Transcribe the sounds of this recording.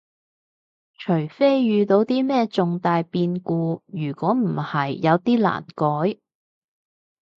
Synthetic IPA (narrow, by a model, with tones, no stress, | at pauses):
t͡ʃʰɵ˨˩ɥfe˥jjyː˨˧t̪o˨˧wt̪iː˥mɛː˥t͡sʊ˨ŋt̪aː˨jpiː˧nkuː˧jyː˨˩kʷɔː˨˥m̩˨˩hɐ˨jːɐ˨˧wt̪iː˥la̰ː˨˩nkɔː˨˥j